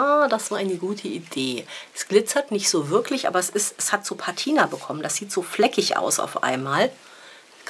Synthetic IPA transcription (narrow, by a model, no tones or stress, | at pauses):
aːdasv̥aːɐaɪnəɡuːtʰəʔideːɛsɡ̥lɪt͡sɐtnɪçtz̥oːvɪɐklɪçʔa̰ːbɐɛsɪstɛshatz̥oːpʰaɐtʰiːnabəkʰɔmənd̥asz̥iːtz̥oːflɛkɪçʔa̰ʊsa̰ʊfʔa̰ɪnmaːl